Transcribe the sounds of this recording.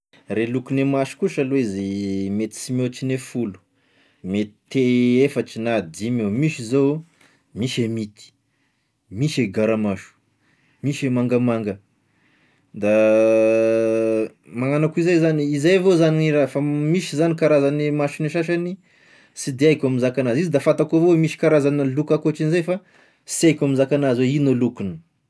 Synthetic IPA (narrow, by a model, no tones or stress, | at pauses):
relukunemaʃu̥kuʃalweizimet̪i̥simoʈ͡ʂinefulu̥ | met̪i̥t̪eefaʈ͡ʂinad̪imewmiʃizo | miʃemit̪i̥ | miʃeɡaɾamaʃu̥ | miʃemaŋɡəmaŋɡə | d̪a | maŋanakuizajzaniizajavozaniiɾafamiʃizanikaɾazanimaʃiniʃaʃani | sid̪eajkʲamizakanazizid̪afat̪akovowemiʃi̥kaɾazanəlukakoaʈ͡ʂinizajfa | siajkʲamizakanazweinolukunə̥